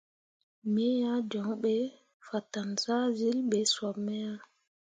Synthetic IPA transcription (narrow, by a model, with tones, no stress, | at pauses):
mɛ˦ja˦d͡ʒɔ˨ŋɓɛ˨˦ | fa˨ta˨nza˦zi˦lɓe˨swa˨mɛ˦ja˦